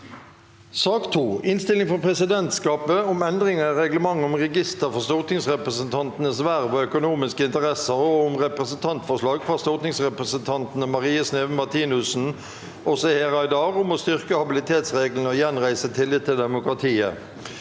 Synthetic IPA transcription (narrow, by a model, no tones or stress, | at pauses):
sɑːkt̪ʰuːɪnst̪ɪlɪŋfɔʁpʰʁɛsɪd̪ɛnt̪skɑːpəʊmɛnd̪ʁɪŋəɾɛɡləmɑŋːəɔmʁɛɡɪst̪əʁfɔʁst̪ɔʁt̪nɪŋsʁɛpʁəsənt̪ʰɑnt̪ənəsʋæʁʋɑœkʊnuːmɪskəɪnt̪əʁɛsəʁɔʊmʁɛpʁəsənt̪ʰɑnt̪fɔʁʂlɑːɡfʁɑst̪ɔʁt̪nɪŋsʁɛpʁəsənt̪ʰɑnt̪nəmɑʁiːəsneːʋəmɑʁt̪ʰiːnʉsn̩ | ʔɔsɔheːʁɑɪd̪ɑːʁʊmɔst̪ʏʁkəhɑbɪlɪt̪ʰeːt̪sʁeːɡlənəɔjɛnʁæɪsət̪ʰɪlːɪt̪t̪ʰːɪld̪ɛmʊkʁɑt̪ʰiːə̰